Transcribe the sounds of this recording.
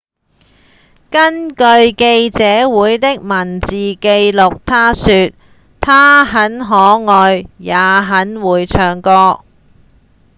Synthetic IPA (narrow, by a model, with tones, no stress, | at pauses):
kɐ˥nkɵ˧ɥke˧jt͡sɛː˨˥wuː˨˥jt̪ɪ˥k̚mɐ˨˩nt͡siː˨ke˧jlʊ˨k̚t̪ʰaː˥syː˨˧t̪̚ | t̪ʰaː˥ɦɐ˨˥nɦɔː˨˥ŋɔː˨˧jjaː˨˧˥ɦɐ˨˥nwuː˨˧jt͡ʃʰœː˨˥ŋkɔː˧